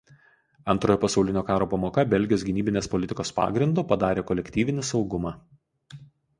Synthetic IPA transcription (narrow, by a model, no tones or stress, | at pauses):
ɐnˑt̪ɾoːjopɐsɒʊlʲɪnʲoːkɑːɾoːpɐmoːkɐbʲɛlʲɡʲɪjoːs̬ɡʲɪnʲiːbʲɪnʲeːspɔlʲɪt̪ʲɪkoːspɑ̰ːɡɾʲɪnd̪ʊpɐd̪ɑːɾʲeːkɔlʲɛkʲt̪ʲiːʋʲɪnʲɪsɒʊɡʊmɑː